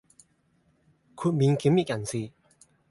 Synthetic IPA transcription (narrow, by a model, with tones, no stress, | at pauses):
kʰu˩˥˨ʔmi˩˨ŋke˩˨mi˥˨ʔcʲa˩˨nt͡sʰi˥˨